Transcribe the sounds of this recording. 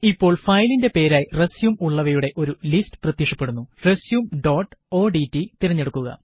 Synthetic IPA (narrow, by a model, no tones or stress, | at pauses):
ipːo̞ːɭfɐjlinde̞pe̞ːɾaːjiresjumuɭːɐʋɐjuɽe̞ʔo̞ɾulistɨ̥prɐt̪jiʂɐpːe̞ɽunːuresjumɖoːʈːo̞ːɖitːit̪irɐɲːe̞ɽukːuɣɐ̰